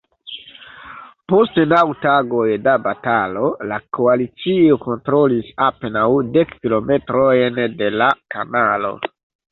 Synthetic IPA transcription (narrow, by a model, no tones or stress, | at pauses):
po̞stnawtaɡo̞jdabatalo̞lakoalit͡sio̞ko̞ntɾo̞lisapenawde̞kkilo̞me̞tɾojnde̞lakanalo̞̰